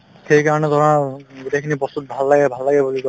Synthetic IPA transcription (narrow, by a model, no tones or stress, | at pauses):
xejkaɹɔnɛdʱaɹɔnaɡutekʰinibɔstut̚bʱalːaɡɛbʱalːaɡɛbulikɔ